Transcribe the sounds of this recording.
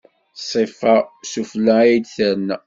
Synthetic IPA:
sˤifɑsuflæijd̪θəɾn

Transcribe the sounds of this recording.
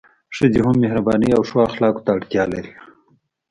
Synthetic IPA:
ʂəd͡ʒiɦʊmːehɾabɑːniawʂwɑːxlɑːko̥t̪aːʈt̪jɑːlaɾi

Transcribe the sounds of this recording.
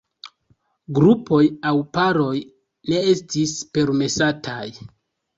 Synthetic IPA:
ɡɾupo̞jawpaɾo̞j | ne̞estispe̞ɾme̞satʰaj

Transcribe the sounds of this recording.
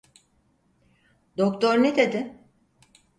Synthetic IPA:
d̪okt̪ʰoɾned̪ed̪ɪ

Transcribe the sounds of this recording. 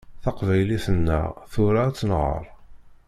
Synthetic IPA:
θɑqvæjliθənːə̰ʁθʊɾat͡sːənʁə̰ɾˤ

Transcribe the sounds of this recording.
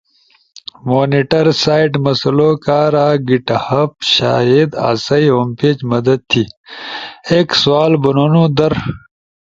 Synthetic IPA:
moːniʈɐɾsaːiʈmɐsɐloːkaːɾaːɡiʈɐhɐpɕa̰ːid̪a̰ːsɐjompeːt͡ɕmɐd̪ɐd̪̚t̪ʰi | eːkswaːlbɐnonũːd̪ɐɾ

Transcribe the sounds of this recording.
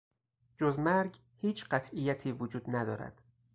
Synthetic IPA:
d͡ʒozmæɾɡ | hiːt͡ʃʰɢæt̪ʰijːæt̪ʰiːvod͡ʒuːd̪næd̪ɒ̰ːɾæ̰d̪̥

